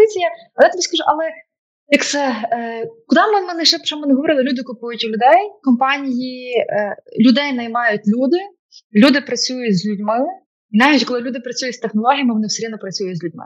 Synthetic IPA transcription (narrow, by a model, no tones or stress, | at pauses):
ɪt͡sʲijɐɐjɑt̪ɪbʲiskɐʒuʔɐlˠɛ | jɐkt̪sɛ | kʊd̪ɑmɛmɛnɪʃt͡ʃɛ̥t͡ʃɔmɛnɪɦɔʋɔɾɪlˠɐlʲud̪ɪkʊpujʊtʲilʲʊd̪ɛjkɔmpɑnʲiji | lʲʊd̪ɛjnɐjmɑjʊtʲlʲud̪ɪ | lʲud̪ɪpɾɐt͡sʲujʊzʲlʲʊdʲmɪ | inɑʋʲitʲkɔlˠɪlʲud̪ɪpɾɐt͡sʲujʊtʲst̪exnɔlˠɔɦʲijɐmɪʋɔnɪwseɾʲid̪nɔpɾɐt͡sʲujʊtʲzʲlʲʊdʲmɪ̰